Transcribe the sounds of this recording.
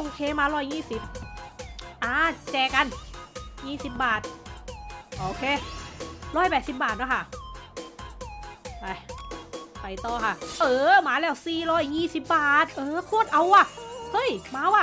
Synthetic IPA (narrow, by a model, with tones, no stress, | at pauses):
ʔoː˧˩kʰeː˧maː˧ɾɔː˧˥˩jːiː˧˥˩si˨˩p̚ | ʔaː˧t͡ɕɛː˨˩kːa˧njiː˧˥˩si˨˩p̚baː˨˩t̪̚ | ʔoː˧˩kʰeː˧˩ | ɾɔː˧˥˩jpɛː˨t̪si˨˩p̚baː˨˩t̪̚na˦˥˩kʰa˧˩ʔ | pa˧˩ | pa˧˩jt̪ɔː˧˩kʰa˧˥˩ʔʔɤː˧˦maː˨˦lɛː˧˥˩wsiː˨˩ɾɔː˧˩jːiː˧˥˩si˨˩p̚baː˨˩t̪̚ʔɤː˧˦kʰu˧˥ə˨t̪̚ʔa˧wʔa˧˩hɤː˧˥˩jmaː˧˥˦wʔa˧˩